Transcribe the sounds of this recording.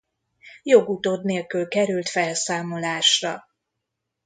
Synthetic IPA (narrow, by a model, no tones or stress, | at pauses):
jo̞ɡut̪od̪neːlkylkɛɾylt̪fɛlsaːmo̞laːʃrɒ